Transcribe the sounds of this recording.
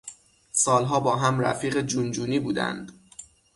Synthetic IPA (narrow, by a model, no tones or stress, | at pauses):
sɒːlɦɒːbɒːɦæmɾæ̰fiːɢed͡ʒund͡ʒuːniːbuːd̪æ̰nd̪̥